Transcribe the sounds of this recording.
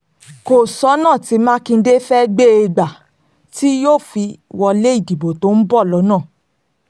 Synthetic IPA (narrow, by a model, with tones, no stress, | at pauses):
ko˨sɔ˨˦nãː˦˨ti˨˧˦mãː˦kĩ˧n̩˧˦de˦fɛ˦ɡ͡be˦e˧ɡ͡ba˨ | ti˦joː˦˨fi˧wɔ˧le˦i˦˨di˨bo˨to˨˦n̩˦bɔ˦˨lɔ˨˦nãː˦˨